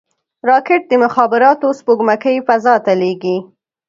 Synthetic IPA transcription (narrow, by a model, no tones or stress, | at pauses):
ɾɑkɪʈ̚d̪əmʊxɑbɪɾɑt̪ospoɡmakəjfazɑt̪aleɡi